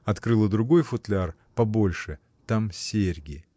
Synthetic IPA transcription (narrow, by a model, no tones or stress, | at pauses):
ɐt̪kɾɨlˠəd̪ɾʊɡo̞jfʊt̪lʲɪar | pɐbo̞lʲʂɨ | t̪amsʲerʲɡʲɪ